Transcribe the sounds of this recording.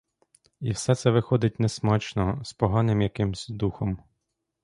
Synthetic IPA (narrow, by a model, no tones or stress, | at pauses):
ḭwsɛt̪sɛʋɪxɔd̪ɪt̚ʲnɛsmɑt͡ʃnɔspɔɦɑnɪmjɐkɪmzʲd̪uxɔm